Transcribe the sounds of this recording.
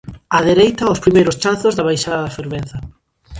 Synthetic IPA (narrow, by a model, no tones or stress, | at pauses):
aðeɾejt̪ɐospɾimejɾʊst͡ʃanθʊzðɐβajʃaðɐðafeɾβen̟θɐ